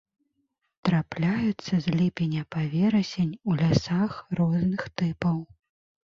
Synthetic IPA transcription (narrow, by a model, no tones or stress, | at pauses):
t̪ɾaplʲajut̪sːɐzʲlʲipʲɛnʲɐpavʲɛɾɐsʲenʲulʲasaxrɔznɨxt̪ɨpɐw